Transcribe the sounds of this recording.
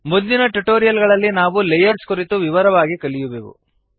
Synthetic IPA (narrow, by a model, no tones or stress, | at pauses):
mud̪ːinɐʈuʈoːɾijɐlɡɐɭɐlːinaːʋulejɐɾskuɾit̪uʋiʋɐɾɐʋaːɡikɐɭijuʋeːʋṵ